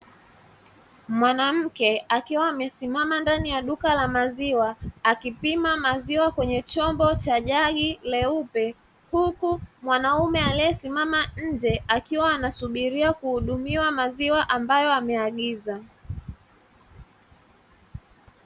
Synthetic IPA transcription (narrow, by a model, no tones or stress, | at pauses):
mwanam̩kɛakiwaːmɛsimamandanijaɗukalamaziwaakipimamaziwakwɛɲɛt͡ʃɔmbɔt͡ʃaʄaɠilɛupɛ | hukumwanaumɛaliɛsimamaɲ̩d͡ʒɛakiwaːnasuɓiɾiakuhuɗumiwamaziwaʔambajɔamɛaɠiza